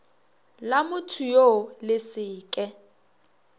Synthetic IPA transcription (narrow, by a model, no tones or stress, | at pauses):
lamʊtʰujolɪsɪːkʼɛ